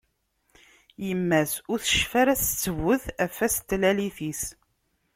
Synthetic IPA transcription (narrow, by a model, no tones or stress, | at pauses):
jəmːæsʊɾθə̥ʃfæɾæst͡sːəvʊθæfːæst̪ːlæliθis